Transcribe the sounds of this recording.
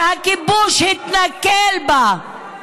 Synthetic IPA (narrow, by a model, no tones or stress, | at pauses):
akibuʃit̪nakeːlba